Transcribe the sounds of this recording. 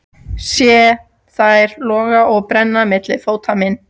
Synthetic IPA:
sjɛ | θaɛɾlɔːɣaʔɔɣpɾɛnːamɪt̪lɪfoːwt̪ʰamɪn

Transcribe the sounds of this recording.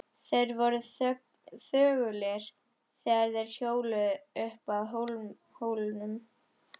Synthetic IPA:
θeɾvɔɾʏ | θœːɣʏlɛɾ̥ | sɛːɣaɾðɛɾ̥çjoːwlʏʏhpaðɦol | hoːwlnʏm

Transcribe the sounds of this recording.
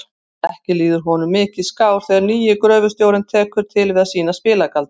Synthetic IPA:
ɛhcɪliːðʏɾ̥ɦɔnʏmːɪːcɪðskaːwɾ̥θɛjɣaɾniːjɪkɾœːvʏst̪jowɾɪnt̪ʰɛːkʏɾ̥t̪ʰɪlvɪðaðsiːnaspɪːlakalt̪

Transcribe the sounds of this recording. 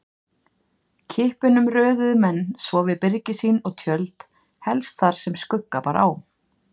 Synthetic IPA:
cʰɪhpʏnʏmrœːðʏðmɛnːsvɔvɪðpɪɾcɪsiːnɔɣt̪ʰjœlt̪ | hɛlst̪θaɾ̥sɛmskʏkːapaːɾaaw

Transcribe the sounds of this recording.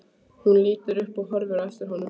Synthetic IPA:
hʊnliːt̪əɾɵpːɔɦɔɾvəɾɛft̪əɾɦɔnːɔ

